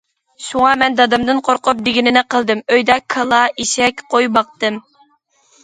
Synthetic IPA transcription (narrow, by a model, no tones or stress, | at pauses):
ʃuŋɑmɛnd̪ɑd̪ɨmd̪ɨnqʰoɾqʊp̚d̪ɪɡʲinɪnɪqəlˠd̪ɨmøjd̪ɛkʰːɑlˠɑiʃɛkʲqʰojbɑq̚t̪ɨm